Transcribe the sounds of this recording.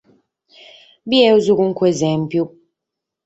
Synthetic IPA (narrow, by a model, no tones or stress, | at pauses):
biɛuzukuŋ̩kwɛzɛm̩pjup̚